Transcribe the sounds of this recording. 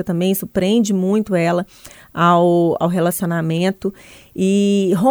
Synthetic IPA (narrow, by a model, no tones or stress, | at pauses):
et̪ɐ̃mbẽj̃suɾpɾẽnd͡ʒɪmũj̃t̪ʊɛlɐ | awa̰wɦelasionamẽnt̪ʊɪɦõ